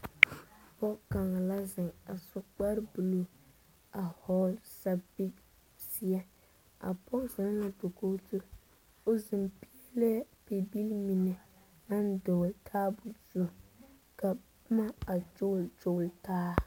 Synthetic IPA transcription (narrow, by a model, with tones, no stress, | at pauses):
pɔ˦ka˨ŋa˨la˦zɪ˨ŋa˨sʊ˦k͡pa˦ɾbu˨lo˨ | a˨hɔ˦lsa˦bi˦k | si˦ɛ˦ | a̰˨pɔ˦za˨˦n˦la˦to˨ko˦tu˦ɾ | o˦zɪ˨mpi˦e˦le˦pe˨bi˦lmi˨nɛ˨ | a˦n˦dʊ˨ltʰaː˦bʊ˨z̥u˦˨ | ka˨ | ʊ˦ma˦a˨d͡ʒʊ˦˨ld͡ʒʊ˦˨ltaː˦